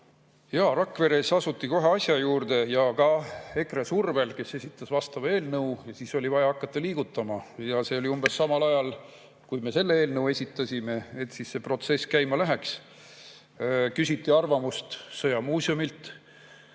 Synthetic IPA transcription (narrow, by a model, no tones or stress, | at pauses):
jɑːɾɑkːˑve̞ɾe̞sɑsut̪ːˑiko̞ɦe̞ɑsʲjɑjuːrd̪e̞jɑkɑe̞kresurve̞lke̞se̞sʲit̪ːˑɑsvɑst̪ɑvɑe̞ːlnɤwjɑsiso̞lʲivɑjɑɑkːˑɑt̪ːɑliːɡ̥ut̪ːˑɑmɑjɑse̞o̞lʲiumb̥e̞sːɑmɑlɑjɑl | kujme̞se̞lːeeːlnɤwe̞sʲit̪ːˑɑsʲime̞et̪sisse̞pro̞t̪se̞skæjmɑlæɦe̞ks | kysʲit̪ːˑiɑrvɑmust̪sɤjɑmuːsʲiomilt̪